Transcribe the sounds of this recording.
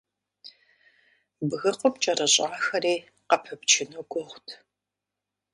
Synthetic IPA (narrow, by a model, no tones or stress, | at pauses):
bɨɣɨqəpt͡ʃʼɐrɐɕʼaːxɐɾiː | qɐpʰɐpt͡ʃʰɪnoːɡʷɔχʷtʰ